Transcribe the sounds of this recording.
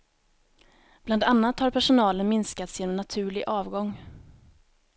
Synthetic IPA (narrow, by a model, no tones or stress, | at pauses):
b̥land̪anːat̪haɾpʰæʂʊnɑːlənmɪnskat̪sjeːnɔmnat̪ʰʉ̟ːɭɪɡʔɑːvɡɔŋː